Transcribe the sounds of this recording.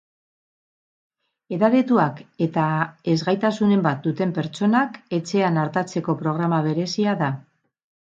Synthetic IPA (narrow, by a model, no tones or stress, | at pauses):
e̞ðaɾet̪uake̞t̪ae̞zɣajt̪asune̞mbat̪̚d̪ut̪e̞mpe̞ɾt͡ʃo̞nake̞t͡se̞anaɾt̪at͡se̞ko̞pɾo̞ɣ̞ɾamaβ̞e̞ɾe̞siaða